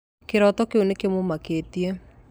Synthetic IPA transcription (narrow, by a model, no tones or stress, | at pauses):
keɾɔtɔkeonekemomaketie